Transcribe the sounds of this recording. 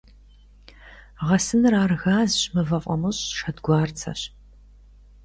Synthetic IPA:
ʁɐsɨnɨraːrɣaːzɕmɨvɐqʷʼɐ̰mɨɕʼʃɐdɡʷɑːrt͡sʰɐ̰ɕ

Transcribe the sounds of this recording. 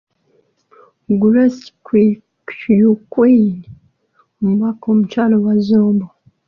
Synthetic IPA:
ɡuɾaskwi | jukwen | omuβakoːmut͡ʃaːlowazoːmbo

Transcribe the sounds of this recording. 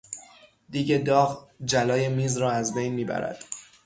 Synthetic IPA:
d̪̥iːɟed̪ɒːɣd͡ʒælɒːjemiːzɾɒːæzbejnmiːbæ̰ɾæ̰d̪̥

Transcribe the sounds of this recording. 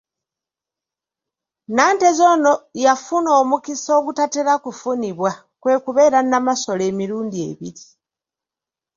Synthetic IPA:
naːnte̞zono̞jafuno̞ːmukiso̞ːɡutateɾakufuniβwa | kwe̞ːkuβe̞ːɾanamaso̞le̞ːmiɾuːndie̞̰βiɾi

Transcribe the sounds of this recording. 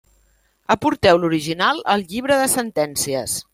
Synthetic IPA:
əpuɾt̪ɛwluɾiʒinalˠəlˠʎiβ̞ɾəðəsənt̪ɛnsiəs

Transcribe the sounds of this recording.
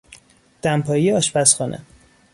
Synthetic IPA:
d̪̥æmpʰɒːjijeɒʃpæsxɒnʔḛ

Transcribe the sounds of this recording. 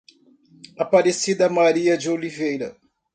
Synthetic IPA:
apaɾesid̪ɐmaɾiɐd͡ʒɪolivejɾɐ̰

